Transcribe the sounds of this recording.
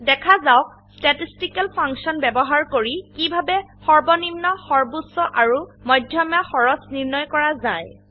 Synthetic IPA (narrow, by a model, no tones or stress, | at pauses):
dɛkʰazaʊk | statistikɛlpʰaŋksɔnbɛbɔɦaɹkoɹikibʱabɛxɔɹbɔnimnɔxɔɹbusɔʔaɹumɔjdʱjɔmjaxɔɹɔsniɹnɔjkɔɹazaj